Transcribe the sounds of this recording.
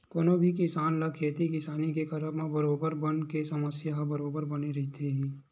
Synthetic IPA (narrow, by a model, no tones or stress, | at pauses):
koːnobʱikɪsaːnlɐkʰeːt̪ikɪsaːnikekɐɾəmẽbɐɾoːbəɾbənkesɐməsjaɦbɐɾoːbəɾbɐneɾɐɦit̪ʰeɦɛ̃ː